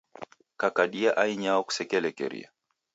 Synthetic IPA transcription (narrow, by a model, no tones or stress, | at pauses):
kakaɗiaʔaiɲaɔku̥sɛkɛlɛkɛ̰ɾḭa̰